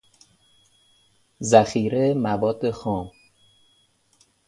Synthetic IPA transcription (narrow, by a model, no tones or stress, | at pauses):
zæxiːɾemævɒːd̪ːexɒːm